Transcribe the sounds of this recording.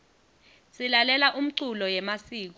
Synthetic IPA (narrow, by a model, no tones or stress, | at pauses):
silalɛlaʔum̩ǀulɔjɛmasiːk̬ɔ